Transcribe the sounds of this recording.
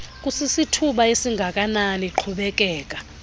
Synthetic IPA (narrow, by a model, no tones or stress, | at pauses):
k̬ʼusisitʰuɓaesiŋɡʱakʼananiǃʰuɓɛk̬ʼɛːk̬ʼa